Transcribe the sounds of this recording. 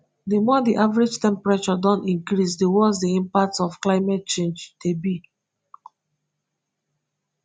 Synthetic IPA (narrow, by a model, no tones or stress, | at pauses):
demɔdiʔavɹed͡ʒtɛ̃mpɹat͡ʃɔdɔ̃nĩŋkɹisdewɔzdiĩmpak̚tsɔfklaɪmɛt̚t͡ʃẽnd͡ʒtebi